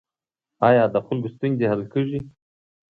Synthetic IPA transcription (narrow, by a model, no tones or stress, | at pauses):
ɑjɑd̪əxʊlɡust̪uŋzehalkəʐi